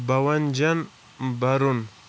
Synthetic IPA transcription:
bawand͡ʒan | baɾun

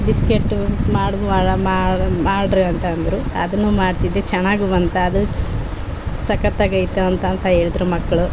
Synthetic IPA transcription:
ɖiskeʈːmaːɽuamamaːɽɾeɐnt̪ɐːnd̪ɐɾuɐd̪ɐnːuːmaːɖt̪id̪et͡ʃɛnaːɡuʋɐnt̪ɐːd̪u | sɐkɐt̪ːɐɡɐjt̪uɐnt̪ɐːnt̪ɐɦeːɭid̪ɐɾumɐkːɐɭu

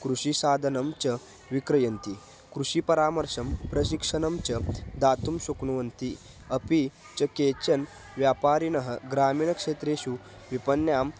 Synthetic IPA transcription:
kɾuʂisaːd̪ʱɐnɐmt͡ʃɐ | ʋikɾɐjɐnt̪i | kɾuɕipɐɾaːmɐɾʂɐmpɾɐɕ̬ikʂɐnɐmt͡ʃɐd̪aːt̪umɕukɳuʋɐnt̪i | ɐpi | t͡ɕɐkeːt͡ɕɐn | ʋjaːpaːɾinɐɦəɡɾaːmiːɳɐkʂeːt̪ɾeːɕu | ʋipɐnːjaːm

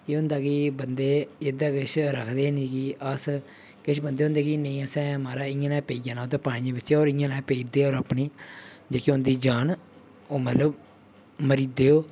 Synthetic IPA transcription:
eːɦʊ̃nd̪aːkɪbənd̪eːɪd̪aːkɪʃʰɾəkʰd̪eːnikɪʔəs | kɪʃʰbənd̪eːɦʊ̃nd̪eːkinə̃ĩːəsɛ̃ːmaːɾaːɪ̃ãːnãːpeːijãːnãːoːt̪̬aːpaːɽ̃ĩjãːbɪt͡ʃːʃeːoːɾɪjãːnãːpeːiːd̪eːoːɾəpniːd͡ʒeːkiʊnd̪iːd͡ʒaːn | oːmət̪ləb | məɾiːd̪eːoː

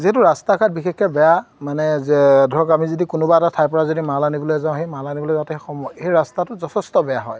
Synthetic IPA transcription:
ziɦɛtʊɹastakʰat̚bixekʰːɛbɛjamanɛdʱɔɡamizidikʊnʊbaɛtatʰajpɔɹazodimalanibɔlojzãʊ̃ɦejmalanibɔlojzãtɛxɔmɔejɹastatʊzɔtʰɛstɔbɛjaɦɔj

